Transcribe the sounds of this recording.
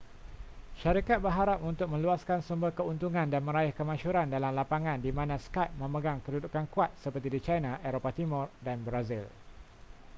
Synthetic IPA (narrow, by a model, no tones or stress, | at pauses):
ʃaɾikat̪̚bərɦaɾap̚unt̪ʊk̚mə̃luaskansumbəkəunt̪uŋãndanmə̃ɾaɪhkəmãʃuɾandalamlapaŋãndimãnãskajp̚mə̃məɡaŋkədudukankuat̪̚səpərt̪idit͡ʃajnãʔɛɾopat̪imɔrdanbɾazḭl